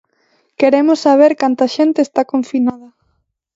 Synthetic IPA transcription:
keɾemʊsːaβ̞eɾkant̪ɐaʃent̪eːst̪akoɱfinaðɐ

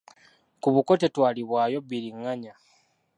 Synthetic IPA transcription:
kuβuko̞tetwaːliβwaːjo̞biɾiŋːaɲa

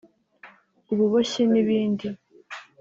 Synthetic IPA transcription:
uβuβoɕeniβiːndi

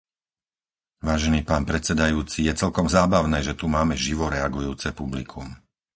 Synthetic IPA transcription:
ʋaːʒɛniːpaːnpɾɛt͡sɛd̪ajuːt͡sijɛt͡sɛlkɔmzaːbaʊnɛːʒɛt̪umaːmɛʒiʋɔɾɛaɡujuːt͡sɛpublḭkʰṵm

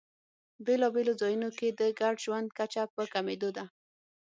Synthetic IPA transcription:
belɔbelozɑjunoked̪əɡaɖʒwand̪̚kat͡ʃapəkamed̪od̪a

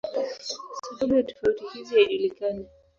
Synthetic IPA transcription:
siɓamujatɔ̥fautihiziaʄulikana

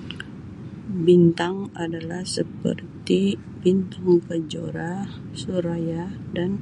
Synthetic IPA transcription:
bint̪aŋadalahsəpə̰rt̪i | bint̪aŋkəd͡ʒo̰ɾa | suɾajadan

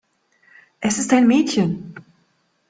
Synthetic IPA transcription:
ʔɛsɪst̚aɪnmɛːtçən

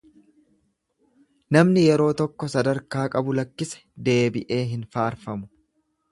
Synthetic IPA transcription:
nɐmnɪjɛɾo̞ːt̪ɔkːɔsɐd̪ɐɾkaːkʼɐbʊlɐkːɪsɛ̥d̪e̞ːbɪʔe̞ːɦɪnfaːɾfɐmʊ̥

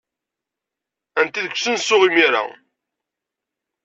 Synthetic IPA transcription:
ænt̪iðəkʷːsənsʊʁimiɾa̰

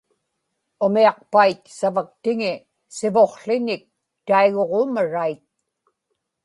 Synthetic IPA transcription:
ʊmiɑq̚pait̪savak̚t̪ɪŋɪ | sɪvo̞χɬɪnɪk̚ | t̪aiɣo̞ʁoːmaɻait̪̚

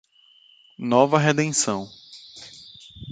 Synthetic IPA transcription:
nɔvɐɦed̪ẽsɐ̃w̃

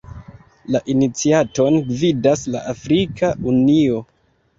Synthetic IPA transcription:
laʔinit͡siato̞nɡvidasla̰ʔafɾikaunio̞

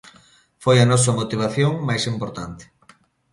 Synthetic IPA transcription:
fojɐnɔsɐmot̪iβ̞aθjoŋmajsimpoɾt̪ant̪ɪ̥

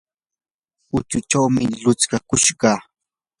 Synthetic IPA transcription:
ʊt͡ʃʊt͡ʃawmɪlʊt͡skakʊʃɢɑː

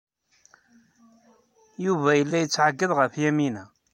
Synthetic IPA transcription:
juvæjəlːæjət͡sːʕaɡːəðˤʁəfjæminæ

